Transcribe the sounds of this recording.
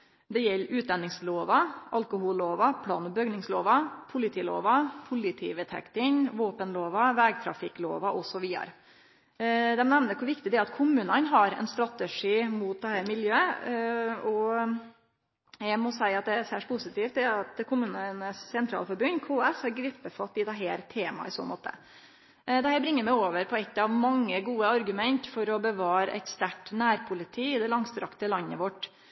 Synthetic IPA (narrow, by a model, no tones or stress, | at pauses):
d̪ɛjɛlːʔʉːt̪̚d̪ɑnːɪŋsloːʋɑʔɑlkʊhuːlːoːʋɑpʰlɑ̰ːnɔbœɡnɪŋsloːʋɑpʰʊlɪt̪ʰiːlo̰ːʋɑpʰʊlɪt̪ʰḭːʋət̪ʰɛ̰kt̪ɪŋʋoːpənloːʋɑʋɛːɡt̪ʰɾɑ̰fɪkːlo̰ːʋɑʔɔsɔʋiːə̰ɾə | d̪ɛmnɛʋnəɾkʰʊɾʋɪkt̪ɪd̪ɛæɑt̪kʰʊmʉːnɑnɦɑɾɛ̰nst̪ɾɑt̪əʂiːmut̪̚d̪ɛhæɾmɪljøːə | ɔ | jæɪmɔsæɪɑt̪̚d̪ɛæsæːʂʈ̚pʰʊsɪt̪iːft̪d̪ɛɑt̪kʰʊmʉːnnəssɛnt̪ʰɾɑ̰lfɔɾbʉnkʰoːɛshɑɾɡɾɪpːəfɑt̪ːɪd̪ɛɦeːɾt̪ʰeːmɑ̰ɪso̰ːnmo̰ːt̪ʰə̰ | d̪ɛhæːɾbɾɪŋːəmæɪoːʋəɾpʰɔɛt̪ːɑʋmɑŋːəɡuːəɑɾɡʉmɛnt̪fɔɾɔbəʋɑːɾəʔɛ̰t̪st̪æʈːnæːɾpʰʊlɪt̪ʰiːɪd̪ɛlɑŋst̪ɾɑkt̪əlɑnːə̰ʋɔʈ